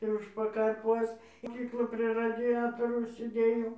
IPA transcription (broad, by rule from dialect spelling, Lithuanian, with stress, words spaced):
ɪ ˈʊʃ pɐkɐrˈpuɔs moːˈkʲiːklˠoːj pʲrʲiɛ rɐdʲɪˈjæːtoːrɐʊs sʲeːˈdʲeːjɛʊ